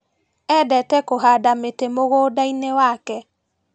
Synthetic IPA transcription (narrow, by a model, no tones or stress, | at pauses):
ɛdɛtɛkoɦadametemoɣoːdainewakɛ